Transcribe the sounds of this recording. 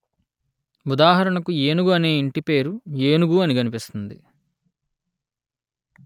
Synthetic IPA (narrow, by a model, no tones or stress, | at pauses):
ud̪aːɦɐɾɐɳɐkueːnuɡuɐne̞ːiɳʈipe̞ːɾueːnuɡuːɐniɡɐnipist̪und̪ḭ